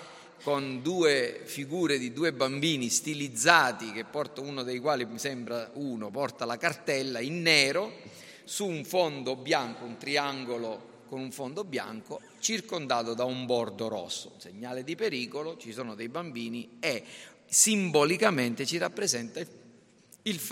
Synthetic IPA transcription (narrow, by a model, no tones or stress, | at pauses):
kond̪uːefiɡuːɾed̪id̪uːebambiːnist̪ilid̪zːaːt̪ik̟epːɔrt̪aunod̪ejkwaːlisɛmbɾauːnopɔrt̪alakart̪ɛlːainːɛːɾo | suːɱfond̪objaŋkount̪ɾiaŋɡolo | konuɱfond̪obja̰ŋko | t͡ʃirkond̪aːt̪od̪aumbɔrd̪oɾɔ̰sːo̰seɲːaːled̪ipeɾiːkolot͡ʃisɔːnod̪ejbambiːniɛ | simbolikament̪et͡ʃirapːɾezɛnt̪a | ilf